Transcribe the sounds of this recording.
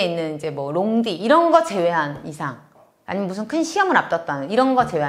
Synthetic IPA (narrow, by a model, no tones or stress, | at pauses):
inːɯnid͡ʑe̞mwʌɾoŋdiiɾʌnɡʌt͡ɕe̞we̞ɦanisʰaŋ | a̰ɲimjʌmus̬ʰɯnkʰɯnɕʰiʌmɯnap̚t͈ʌt̚t͈anɯniɾʌnɡʌt͡ɕe̞wea